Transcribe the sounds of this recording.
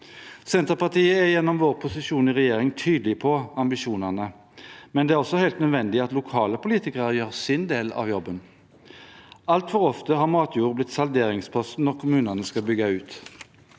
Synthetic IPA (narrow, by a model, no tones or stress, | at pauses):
sɛnt̪əʁpɑʁt̪iːəæʁjɛnːɔmʋoːʁpʰʊsɪʃuːnɪʁɛjeːʁɪŋt̪ʰyːd̪lɪpʰɔɑmbɪʃuːnɑnə | mɛnd̪ɛːæʁɔsːɔhɛɪlt̪nœd̪ʋɛnd̪ɪɑt̪lʊkʰɑːləpʊliːt̪ɪkəʁəjøːʁsɪnd̪eːlɑ̰ːʋjɔbːən | ɑlt̪fɔʁɔft̪əɦɑːʁmɑːt̪ʰjuːʁəblɪt̪ːsɑld̪eːʁɪŋspʰɔst̪n̩ɔʁkʰʊmʉːnəɑnəskɑbʏɡɑʉːt̪